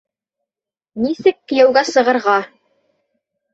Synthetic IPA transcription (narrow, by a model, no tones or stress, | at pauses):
nisɘkːɘ̆jæwɡæsɤ̆ʁɤ̆ɾʁɑ